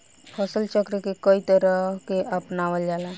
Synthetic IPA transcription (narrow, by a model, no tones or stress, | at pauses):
pʰɔsəlt͡ʃəkɾekekəit̪əɾəkeʔəpnaʋəld͡ʒaːla